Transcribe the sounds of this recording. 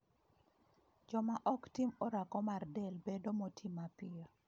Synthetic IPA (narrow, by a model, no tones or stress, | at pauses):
d͡ʒɔmaʔɔktimɔɾakɔmardɛlbedomotʰimapɪɔ